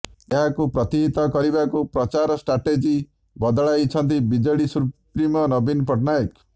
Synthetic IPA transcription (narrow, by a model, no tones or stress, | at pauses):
eɦakupɾɔt̪iɦit̪ɔkɔɾibakupɾɔt͡ʃaɾɔsʈɾaʈed͡ʒi | bɔd̪ɔɭajt͡ʃʰɔnt̪̬ibid͡ʒɔɽisupɾimɔnɔbinpɔʈnajk